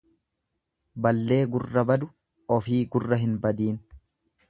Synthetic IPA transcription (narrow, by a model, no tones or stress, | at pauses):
bɐlːe̞ːɡʊrːɐbɐd̪ʊ | ɔfiːɡʊrːɐɦɪnbɐd̪iːn